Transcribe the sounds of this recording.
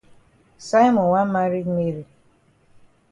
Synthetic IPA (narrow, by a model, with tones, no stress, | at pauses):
sa˦jmɔ˨nwa˦ma˦ɾi˦kme˦ɾi˨